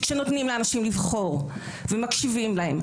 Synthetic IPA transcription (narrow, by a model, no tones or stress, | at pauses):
kʃeno̞t̪nimleanaʃimlivχo̞ʁ | vemakʃivimlahe̞m